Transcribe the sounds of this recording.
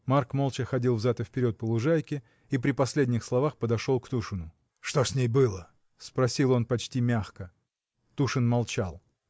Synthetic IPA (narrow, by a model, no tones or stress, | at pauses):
markmo̞lˠt͡ɕɪxɐdʲilˠvzat̪əfʲpʲɪɾʲo̞t̪̚pəlˠʊʐajkʲɪ | ipɾʲɪpɐsʲlʲedʲnʲɪxslˠɐvaxpəd̪ɐʂo̞lˠkt̪uʂɨnʊ | ʂt̪osʲnʲejbɨlˠə | spɾɐsʲilˠo̞npɐt͡ɕtʲimʲaxkə | t̪uʂɨnmɐlˠt͡ɕa̰lˠ